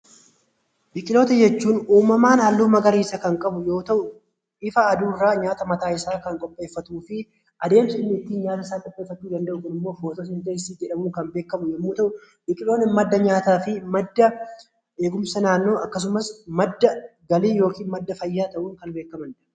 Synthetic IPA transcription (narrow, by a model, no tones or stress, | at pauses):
bɪkʼɪlo̞ːt̪ɐd͡ʒɛt͡ʃːuːnuːmɐmaːnɐːlːuːmɐɡɐɾiːsɐkɐŋkʼɐbʊjo̞ːt̪ɐʔʊ | ɪfɐːd̪uːrːaːɲaːt̪ɐmɐt̪aːɪsaːkɐŋkʼɔpʼːe̞ːfːɐt̪uːfɪ | ʔɐd̪e̞ːmsɐɪnːɪːt̪ːiːnɲaːt̪ɐɪsaːkʼɔpʼːe̞ːfːɐt̪ːuːd̪ɐnd̪ɐʔʊkʊnɪmːo̞ːfoːt̪ɔsɪnt̪eːsiːd͡ʒd͡ʒɛᶑɐmuːŋkɐmbe̞ːkːɐmʊjɛmːuːt̪ɐʔʊ | bɪkʼɪlo̞ːnɛmɐd̪ːɐɲaːt̪aːfɪmɐd̪ːɐ | e̞ːɡʊmsɐnaːnːo̞ːɐkːɐs̬ʊmɐsmɐd̪ːɐɡɐliːjo̞ːkiːnmɐd̪ːɐfɐjːaːt̪ɐʔuːŋkɐnbe̞ːkːɐmɐn